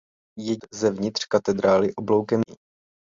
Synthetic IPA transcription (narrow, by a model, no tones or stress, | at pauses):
jɛzɛvɲɪt̪r̝̥kat̪ɛd̪ɾaːlɪʔoblo̞wkɛmɪ